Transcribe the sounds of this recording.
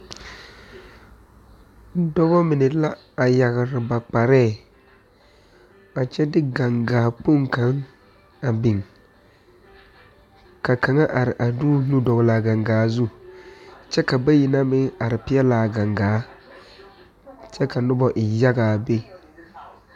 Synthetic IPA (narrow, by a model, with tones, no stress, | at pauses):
dɔ˦bɔ˦mɪ˨nɪ˨la˦ | a˨ja˨ɣɾɪ˨ba˨k͡pa˨ɾɛː˦˨ | ba˨t͡ʃɛ˦dɪ˦ɡa˨ŋɡaː˨˦˨po˦ŋka˨˦ŋ | a˨bɪ˨ŋ | ka˨ka˨ŋa˦ʔa˨ɾɪ˨ʔa˨du˦nu˦dɔ˨ɣɪ˨la˨ɡa˨ŋɡaː˨˦zu˦ | t͡ʃɛ˦ka˨ba˦ji˨na˦mɪ˦ŋa˨ɾɪ˨pɪ˦ɛ˦la˨ɡa˨ŋɡaː˨˦ | t͡ʃɛ˦ka˨nʊ˦bɔ˨ʔɪ˨ja˦ɡaː˨be˦